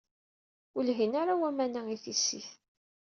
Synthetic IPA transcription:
ʊlɦinaɾawæmænæiθisːḭθ

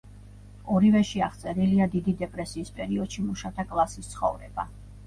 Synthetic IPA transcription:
ɔɾivɛʃiaχt̪sʼɛɾiliad̪id̪id̪ɛpʼɾɛsiːspʼɛɾiɔd̪̥ʃimuʃat̪ʰakʼlˠasist̪sʰχɔ̰vɾɛb̥a̰

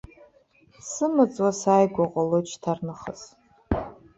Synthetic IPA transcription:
sɨmɨt͡sʼwasajɡʷaqʷʼalot͡ʃʰtʰarnɨχəs

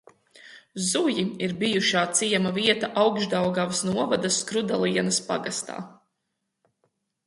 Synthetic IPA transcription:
zujiiɾbijuʃaːt̪sijɛmaviɛt̪ɐʔawɡʒd̪awɡavsnuɔvad̪ɐskɾud̪alˠiɛnɐspa̰ɡast̪a̰ː

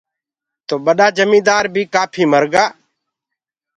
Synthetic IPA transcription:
t̪oːɓəɗaːd͡ʒəmĩːd̪aːɾbʱiːkaːpʰiːməɾɡaː

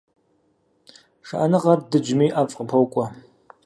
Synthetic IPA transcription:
ʂaʔanɨʁɐrdɨd͡ʒmiːʔaːpʼqəpʰɐwkʷʼɐ

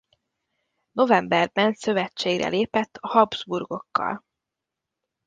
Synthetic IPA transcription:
no̞vɛmbɛrbɛnsø̞vɛt͡ʃːeːɡrɛ̰leːpɛt̪ːhɒbzburɡo̞kːɒ̰l

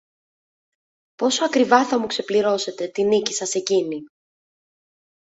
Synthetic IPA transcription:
po̞soɐkɾivɐθɐmukse̞pliɾo̞se̞t̪e̞t̪inici̥sɐse̞cini

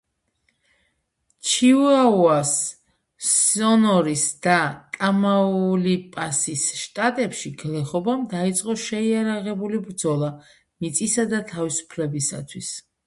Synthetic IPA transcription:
t͡ʃʰiuauas | ɔnɔɾisd̪̥at̪ʼamaulipʼasisʃt̪ʼat̪ʼɛpʃiɡlɛχɔbamd̪ait̪sʼqʼɔʃɛiaɾaʁɛbulibɾd̪zɔlˠa | mit̪sʼisad̪at̪ʰavisu̥pʰlɛbisa̰t̪ʰwis

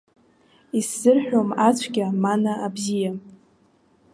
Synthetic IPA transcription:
isːɨrħᶣomat͡ɕʷʰɡʲamanaʔabzija

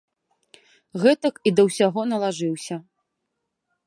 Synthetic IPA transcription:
ɣɛt̪ɐkid̪ɐwsʲaɣɔnɐlˠaʐɨwsʲɐ

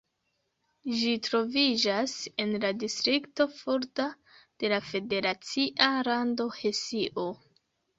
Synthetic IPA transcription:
ʒitɾo̞vid͡ʒase̞nladistɾikto̞fuɾta | d̥e̞lafe̞de̞ɾat͡siʔaɾando̞he̞siʔo̞

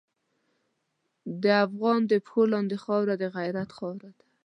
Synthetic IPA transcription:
d̪əafɣɑnd̪əpxolɑnd̪exɑwɾad̪əɣajɾat̪xɑwɾad̪a

